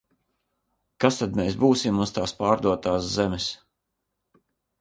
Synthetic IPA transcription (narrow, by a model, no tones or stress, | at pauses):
kast̪ad̪meːsbuːsimːust̪aːspaːɾd̪uɔt̪aːszɛmɛs